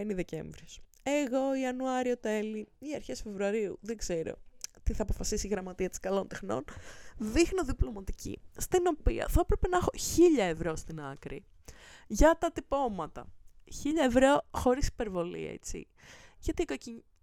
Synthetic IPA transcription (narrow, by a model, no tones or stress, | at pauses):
eniðe̞ce̞̰ɱvɾios | e̞ɣo̞iɐnuɐɾio̞t̪e̞liiɐɾçesfe̞vɾuɐɾiuðeɡze̞ɾo̞̰t̪iθɐːpo̞fɐsisiɣɾɐmɐt̪iɐt̪i̥skɐlo̞nt̪exno̞̰nðixno̞ðiplo̞mɐt̪i̥cḭst̪ino̞pḭɐ̰θɐepɾepenɐexo̞çiʎɐevɾo̞st̪inɐ̰kɾi | ʝɐt̪ɐt̪ipo̞mɐt̪ɐ̰çiʎɐevɾoxo̞ɾisi̥pe̞ɾvo̞lḭḛt͡sḭ | ʝɐt̪ikociɲ